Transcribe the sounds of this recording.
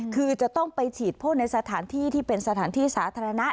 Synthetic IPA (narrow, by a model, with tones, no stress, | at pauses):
kʰɯː˧t͡ɕa˨˩t̪ɔ˥˩ŋpa˧jt͡ɕʰiː˨˩t̪̚pʰoː˥˩t̚na˧jsa˧t̪ʰaː˩˦nt̪ʰiː˥˩t̪ʰiː˥˩pe˧nsa˧t̪ʰaː˩˦nt̪ʰiː˥˩saː˩˦t̪ʰaː˧ɾa˧na˦˥ʔ